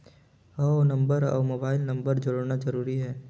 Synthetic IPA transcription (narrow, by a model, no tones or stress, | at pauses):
ɔnɐ̃mbəɾɔ̰ːmoːbaːɪlnɐ̃mbəɾd͡ʒʊɾoɽnazɐɾuːɾiɦɛː